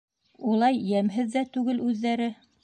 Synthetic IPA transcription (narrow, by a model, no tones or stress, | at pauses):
ulˠɑjjæmɦɘðːæt̪ʉɡɘlʉðːæɾɘ